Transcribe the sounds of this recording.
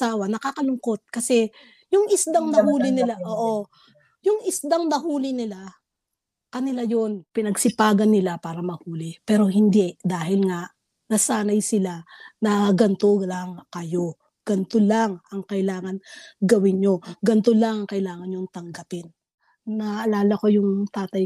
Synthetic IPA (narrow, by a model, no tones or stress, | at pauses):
saːwɐnɐkaːkɐlʊŋko̞t̪̚kɐsɛ | jʊŋɪsd̪aŋnɐhuːlɪnɪlaʔoːʔo̞ | jʊŋɪsd̪aŋnɐhuːlɪnɪla | kɐnɪlajonpɪnɐɡsɪpaːɡɐnːɪlapaːɾɐmɐhuːlɪpɛːɾo̞ɦɪnd̪ɛd̪aːɦɪlŋaʔ | nɐsaːnɐjsɪlanɐɡɐnt̪olɐŋkɐjo̞ | ɡ̥ɐnt̪olaŋɐŋkɐʔɪlaːŋɐnɡɐwɪnɲo̞ɡɐnt̪olaŋɐŋkɐʔɪlaːŋɐnɲoŋt̪ɐŋɡapɪn | nɐʔɐlaːlɐko̞jʊŋt̪aːt̪ɐj